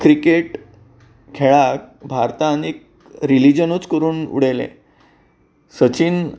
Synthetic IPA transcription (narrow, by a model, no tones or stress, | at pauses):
kɾikeʈ | kʰeɭak̚bʱaɾt̪anek̚ | ɾilid͡ʑənut͡skəɾuːnṵɽelḛ̃ | sət͡ɕiːn